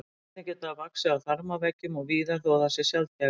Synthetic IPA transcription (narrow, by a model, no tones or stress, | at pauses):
t̪nɪcɛːt̪aːvaksɪawθaɾmavɛːcʏmɔɣviːðaθoːðasɛ̥sjalt̪a